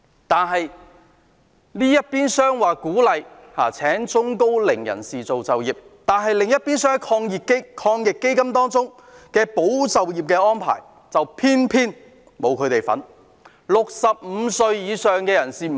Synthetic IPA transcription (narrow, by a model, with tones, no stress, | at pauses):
t̪aː˨nɦɐ˨j | niː˥jɐ˥t̚piː˥nsœː˥ŋwaː˨˩kuː˨˥lɐ˨˧j | haː˨˩t͡sʰɛː˨˥ŋt͡sʊ˥ŋko˥wlɪ˨˩ŋjɐ̰˨˩nsiː˨t͡so˨wt͡sɐ˨wjiː˨p̚t̪aː˨nɦɐ˨jlɪ˨ŋjɐ˥t̚piː˥nsœː˥ŋhɐ˨˦jkʰɔː˧ŋji˨ke˥kʰɔː˧ŋjɪ˨kːe˥jkɐ˥mt̪ɔː˥ŋt͡sʊ˥ŋ | kɛː˧po˨˥wt͡sɐ˨wjiː˨p̚kɛː˧ɔː˥npʰa̰ː˨˩j | t͡sɐ˨wpʰiː˥npʰiː˥n | mo˨˧wkʰɵ˨˧ɥt̪e˨jfɐ̰˨˥n | lʊ˨k̚sɐ˨p̚m̩˨˧sɵ˧ɥjiː˨˧sœː˨ŋkɛː˧jɐ˨˩nsiː˨˩˨